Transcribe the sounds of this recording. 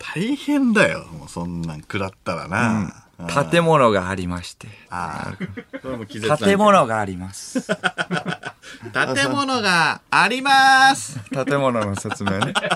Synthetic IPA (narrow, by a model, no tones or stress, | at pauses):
t̪ʰaihẽ̞nd̪ajo̰mo̰sõnːã̰ŋkɯ̟ɾat̪ːaɾa̰nãt̪ʰat̪e̞mo̞no̞ɡaːɾʲimaɕi̥t̪e̞aa̰ɾɯk̪koemokʲizt̪at̪e̞mo̞no̞ɡaːɾʲimasɨ̥ | t̪at̪e̞mo̞noɡaːɾʲimasɨ̥t̪at̪e̞mo̞no̞no̞se̞t͡sɨme̞ːne